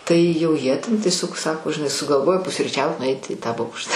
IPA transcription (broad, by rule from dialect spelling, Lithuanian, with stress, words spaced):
ˈtɐɪ jɛʊ ˈjiɛ tʲɛn tʲiɛˈsʲoːk ˈsɑːkoː ʒʲɪˈnɐɪ sʊɡɐlˠˈʋoːjoː pʊsʲrʲiːˈt͡ʃʲɛʊt nʊˈɐɪt ɪ tɑː ˈboːkʃ